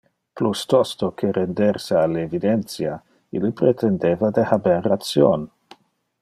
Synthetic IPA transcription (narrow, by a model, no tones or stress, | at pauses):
plust̪ɔst̪okʰeɾend̪eɾsealevid̪ent̪sja | ḭlipɾet̪ʰend̪evad̪ehaberːat̪sjo̰n